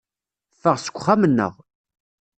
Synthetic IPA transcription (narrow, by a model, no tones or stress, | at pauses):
fəʁsə̥kʷːχæmənːə̰ʁ